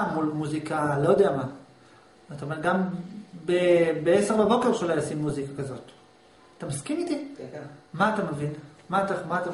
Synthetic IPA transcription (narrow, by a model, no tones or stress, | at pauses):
mulmuzikalo̞jod̪eama | ataomeʁɡambebeeseʁbabo̞ke̞ʁʃelajosimːuzikakazo̞t̪ | at̪amaskimit̪i | maːt̪amevin | maːt̪amaːt̪a